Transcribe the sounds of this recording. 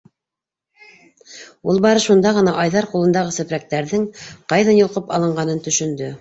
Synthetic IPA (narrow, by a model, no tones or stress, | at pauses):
ulˠbɑɾɤʃund̪ɑʁɤ̆nɑʔɑjðɑɾqulˠɤ̆nd̪ɑʁɤsɘ̆pɾæk̚t̪æɾðɘŋqɑjðɑnjŏlˠqɤpɑlˠɤ̆ɴɢɑnɤnt̪ɵ̆ʃɵ̆nd̪ɵ